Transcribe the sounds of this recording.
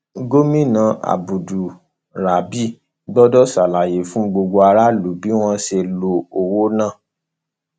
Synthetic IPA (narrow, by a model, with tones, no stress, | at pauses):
ɡo˦mĩ˦˨nã˨ʔa̰˨bu˨du˨ | ɾa˨bi˦ | ɡ͡bɔ˦dɔ˦sa˨la˨je˨fũ˨˦ɡ͡bo˧ɡo˧a˧ɾa˦lu˨˦bi˨˦w̃ɔ̃˧ʃe˧lo˧o˨wo˦nã˦˨